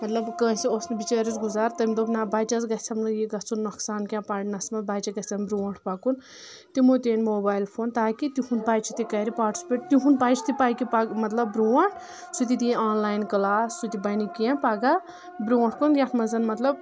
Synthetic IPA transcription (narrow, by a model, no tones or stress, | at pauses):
mɐt̪lɐbkə̃ːsiosnibit͡ʃaːɾit͡sɡuzaːɾt̪ɐmʲd̪obnabaːjt͡ʃɐzɡɐt͡sʰɐmnɐjiɡɐt͡sʰunːɐksaːnkʲãpaːɽnɐsmɐt̪baːt͡ʃɐɡɐt͡sʰɐmbɾuɐʈʰpakun | t̪imot̪eːnmoːbaːjlpʰoːnt̪aːkit̪iɦund̪̚baːjt͡ʃʰit̪ikɐɾipaːʈi̥speʈ̚t̪iɦunbaːjt͡ʃʰi̥t̪ipaːjkipaɡmɐt̪lɐbbɾuwɐɳʈʰ | sut̪it̪̬iaːnlaːjnkɐlaːsːut̪ibɐnikãpaːɡa | bɾuwɐɳʈʰkunjaʈʰmɐzɐnmɐt̪lɐb̚